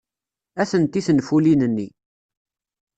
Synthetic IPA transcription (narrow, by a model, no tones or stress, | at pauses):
æθənt̪ːiθənfulinənːi